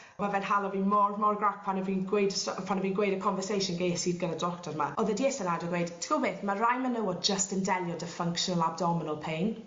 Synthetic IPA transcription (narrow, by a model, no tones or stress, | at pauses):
mavɛnhalˠɔvinmɔɹmɔrɡɹak̚pʰanəviːnɡwejdəsɔpʰanəviːnɡwejdəkʰɔnvəsejʃənɡesidɡənədɔktʰɔɾma̰ʔɔðədiɛsənadəɡwejd̥tʰə̥ɡ̥obeːθmərajmənəwɔd͡ʒəstɪndɛlˠjɔdəfəŋkʃɔnəlˠab̚dɔmɪnəlˠpʰejn